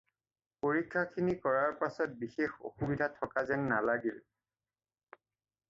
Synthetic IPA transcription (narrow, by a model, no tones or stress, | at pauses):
poɹikʰːakʰinikɔɹaɹpasɔt̚bixexo̰xubidʱatʰɔkazɛnnalaɡil